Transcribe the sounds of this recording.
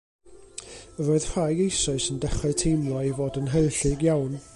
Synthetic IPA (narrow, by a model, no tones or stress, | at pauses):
əɾɔːɨð̥r̥ajɡejsɔɨsəndɛχɛtʰejmlˠɔivoːdənɦəɨɬɨɡjawn